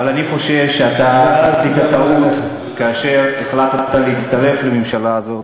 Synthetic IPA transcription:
valaniχo̞ʃe̞vʃeat̪atitat̪aut̪ | kaːʃe̞ʁeχlat̪t̪aleit̪t͡st̪aʁe̞flemimʃalaːzo̞t

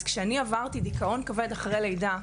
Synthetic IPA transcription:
zkʃeaniavaʁt̪id̪ikao̞nkaved̪aχʁejle̞jda

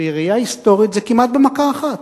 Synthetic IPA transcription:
iʁijaist̪o̞ʁit̪zekimat̪̚bemakaːχat̪

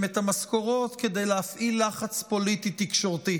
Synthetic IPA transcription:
met̪hamasko̞ʁo̞t̪ke̞d̪e̞jleafʔilːaχat͡spo̞lit̪it̪ikʃo̞ʁt̪i

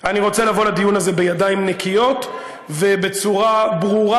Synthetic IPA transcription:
aniʁo̞t͡se̞lavo̞lad̪ijunaze̞be̞jadaimnekijo̞t | ve̞be̞t͡suʁabʁuʁa

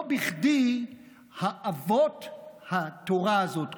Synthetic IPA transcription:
biχdi | haʔavothatoʁaːzot

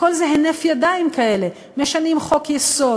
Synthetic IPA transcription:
ko̞lzeɦenefjad̪aimkaele | meʃanimχo̞kjeso̞

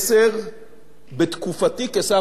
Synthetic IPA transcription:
seʁ | bet̪kufat̪ikesa

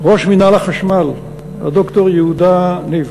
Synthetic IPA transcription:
ʁoʃminalaχaʃmal | a̰d̪okt̪oʁjeud̪aniv

